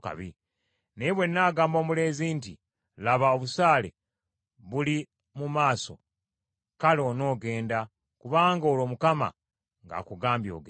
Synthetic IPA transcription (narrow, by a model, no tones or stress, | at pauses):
ka̰βḭ | neβwe̞nːaːɡaːmboːmule̞ːzinti | laβaoβusaːle̞̰ | βuli | mumaːso̞̰ | kalo̞ːno̞ːɡe̞ːnda | kuβaːŋɡoːlo̞ːmukama̰ | ŋɡa̰ːkuɡaːmbjo̞̰ːɡ